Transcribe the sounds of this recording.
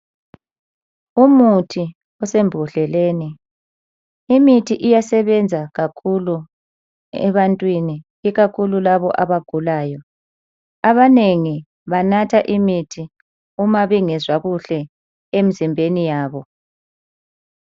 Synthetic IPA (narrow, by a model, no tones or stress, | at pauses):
umutʰi | ɔsembʱuɬɛleːni | imitʰiʔijasɛβɛnd͡zʱaɣakʰulu | ɛ̰βantʼwini | iɣakʰululaβɔʔaβaɡ̥ʱulaːjɔ | aβaneŋi | βanatʰaʔimitʰi | umaβɛŋɛzwaɣuɬɛ | emizimbʱenijaːβɔ